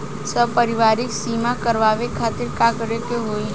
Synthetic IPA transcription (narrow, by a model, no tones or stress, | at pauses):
səbpəɾɪʋaːɾɪksiːmakəɾʋaːʋekʰaːt̪ɪɾkakəɾekeɦoi